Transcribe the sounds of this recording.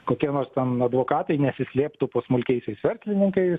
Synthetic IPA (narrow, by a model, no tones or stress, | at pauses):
koːkʲiɛnoːrst̪ʲɛnɐd̪ʋoːkɑːt̪ɐɪnʲɛsʲɪsʲlʲeːpt̪ʊpoːsmʊlʲkʲɛɪsʲɛɪsʋʲɛɾʲsʲlʲɪnʲɪŋkɐɪ